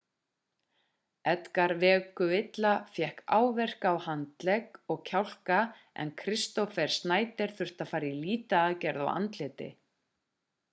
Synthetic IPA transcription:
ɛt̪kaɾvɛːkʏɪt̪lafjɛhka̰ːwvɛr̥kawhant̪lɛkɔɣcʰawl̥ka | ɛ̰nkʰɾɪst̪ɔfɛɾ̥st̪naːjt̪ɪɾ̥θʏr̥t̪afaːɾiliːt̪aːðcɛɾða̰wa̰nt̪lɪːt̪ɪ̰

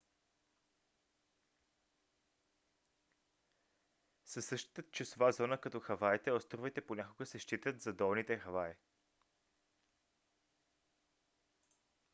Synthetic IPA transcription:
sɐsːɤʃt̪i̥t̪ət̪t͡ʃɛsovazɔnəkɐt̪ɔxɐvait̪ɛɔst̪ɾovit̪ɛponʲakoɡəsɛʃt̪it̪ət̪zɐd̪ɔlˠnit̪ɛxɐvai

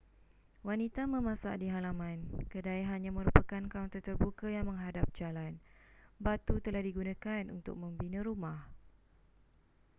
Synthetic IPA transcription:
wanit̪amə̃mãsa̰ʔdiɦalamãnkədaiɦanɲãmə̃ɾupəkankant̪ɔrt̪ərbukajaŋmə̃ŋɦadap̚d͡ʒalanbat̪ut̪əlahdiɡunãkanṵnt̪ʊ̰k̚mə̃mbinə̃ɾumah

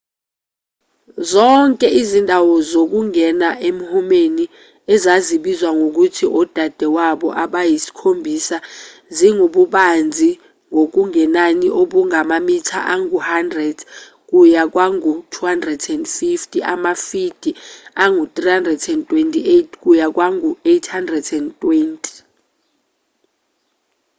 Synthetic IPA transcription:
zɔŋkʼɛʔizindʱawɔzok̬uŋɛnaʔemuhumeni | ɛzaziɓizwaŋʱok̬utʰiʔɔd̥ʱad̥ʱɛwaɓɔ̰ʔaɓajisi̥kʰombʱisaziŋoɓuɓand͡zʱi | ŋok̬uŋʱɛnaniʔoɓuŋamamitʰa̰ʔaŋuhandrɛd̥ | k̬ujak̬waŋutʰuhandrɛdɛndfiftʼiʔamafid̥ʱiaŋut̪ʼrihandrɛdɛntʼwentʼietʰk̬ʼujak̬waŋuejtʰhandrɛdɛndtʼwentʼi̥

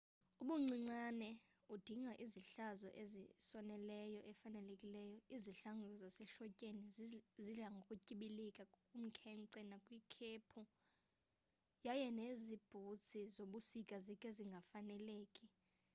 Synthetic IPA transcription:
uɓuŋ͡ǀiŋ͡ǀanɛud̥ʱiŋʱaʔiziɬazɔ̰ʔezisɔnɛlɛjɔʔɛfanɛlekʼilɛjɔiziɬaŋɔzasɛɬɔcʼeniziɮaŋɡʱokʼucʼiɓilɛkʼakʼkʼum̩kʰɛŋǀɛnakʼwiːkʰeːpʰu | jajɛnezib̥ʱut͡sʰizoɓusikʼazikʼeziŋɡʱafanɛleːkʼi

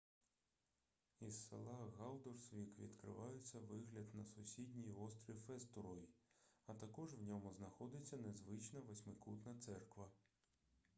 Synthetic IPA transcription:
isːḛlˠɑɣɑlˠd̪ɔrsʋʲikʋʲḭd̪kɾɪ̰ʋɑjʊt͡sʲːɐʋɪɦlʲɐd̪nɐsʊsʲidʲnʲijɔst̪ɾʲifɛst̪ɔɾɔjiɐt̪ɐkɔʒʋnʲɔmʊznɐxɔd̪ɪt͡sʲːɐnezʋɪt͡ʃnɐʋesʲmɪkut̪nɐt̪sɛrkʋɐ

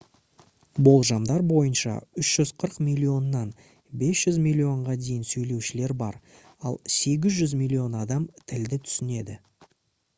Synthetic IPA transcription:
bo̞lˠʒɑmd̪ɑɾbo̞jənʃɑ̰ʏʃʒ̥ʏzqʰəɾəqmijlʲːio̞nːɑn | be̞sʒ̥ʏzmʲijlʲːio̞ɴʁɑd̪e̞jɪnsɵjle̞wʃɪle̞ɾbɑ̰ɾ | ɑlˠse̞ɡʲɪzʒʏzmʲijlʲːio̞nɑd̪ɑmt̪ʰɪld̪ɪt̪ʰʏ̥sɪne̞d̪ɪ

